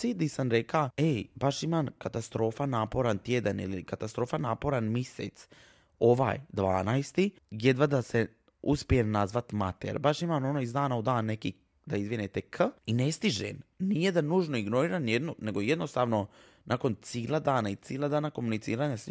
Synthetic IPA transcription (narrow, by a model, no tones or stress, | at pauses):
siːd̪isanɾekaebaʃimaːmkat̪ast̪ɾo̞ːfanaːpo̞ɾant̪jed̪anḭlikat̪ast̪ɾo̞ːfanaːpo̞ɾanmisḛt̪s | o̞ʋa̰ːjd̪ʋa̰ːnajst̪i | jed̪ʋad̪ase | uspijemnazʋat̪mat̪eɾbaʃimaːmo̞noizd̪aːnaud̪aːnːe̞ki | d̪aizʋinet̪ekʰine̞st̪iʒḛmnijed̪anuːʒnoiɡno̞ɾiːɾanjed̪none̞ɡojed̪no̞st̪aːʋno̞ | nʔako̞nt̪siːlˠad̪aːnait̪siːlˠad̪aːnako̞munit̪siːɾaːɲas